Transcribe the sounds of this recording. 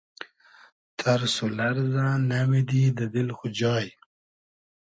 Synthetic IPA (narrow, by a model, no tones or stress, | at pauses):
t̪ʰaɾsulaɾzanamid̪id̪əd̪ɪlxʊd͡ʒɑːj